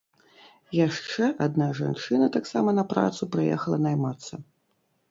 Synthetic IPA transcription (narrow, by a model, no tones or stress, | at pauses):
jaʂt͡ʂɛʔad̪naʐa̰nt͡ʂɨnɐt̪aksamɐnɐpɾa̰t̪supɾajɛ̰xɐlˠɐnajmat̪sːɐ